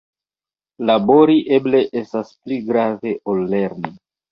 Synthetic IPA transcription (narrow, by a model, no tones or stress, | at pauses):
labo̞ɾiʔe̞ble̞ʔestaspliɡɾave̞ʔolːe̞ɾni